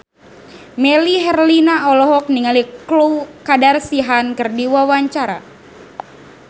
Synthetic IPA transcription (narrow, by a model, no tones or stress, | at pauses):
mɛliɦɛrlinaɔlɔɦɔk̚niŋalikluwkadarsiɦankɨrdiwawaɲt͡ʃaɾa̰